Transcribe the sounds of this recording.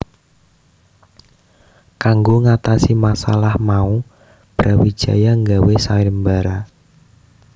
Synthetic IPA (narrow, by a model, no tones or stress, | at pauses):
kaŋɡoŋat̪asimasa̰lahmau | b̥ɾawi̥d͡ʒ̥a̤jaŋɡawesaɪmbaɾa